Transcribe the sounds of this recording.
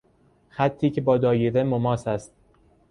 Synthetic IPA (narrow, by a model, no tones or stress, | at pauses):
xæt̪ʰːiːcʰe̞bɒːd̪ɒːjeɾemomɒːsæst̪̚